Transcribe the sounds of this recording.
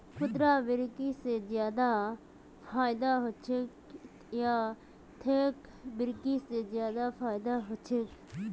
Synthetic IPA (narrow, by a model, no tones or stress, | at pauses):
kʰʊt̪ɾaːbɪɾkisezjaːd̪a | fʰaːɪd̪aːɦʊt͡ʃʰɪk | jaː | t̪ʰeːkbɪɾkisezjaːd̪afʰaːɪd̪aɦʊt͡ʃʰɪk